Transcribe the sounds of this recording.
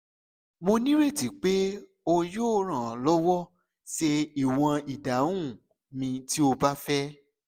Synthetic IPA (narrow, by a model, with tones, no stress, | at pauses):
mo˧nĩ˦ɾe˦˨ti˨˦k͡pe˦ | o˧joː˦ɾ̃ã˨lɔ˦wɔ˦ | ʃe˧i˦˨w̃ã˧i˨da˨˦ũ˦˨ | mĩ˧ti˦o˧ba˦fɛ˦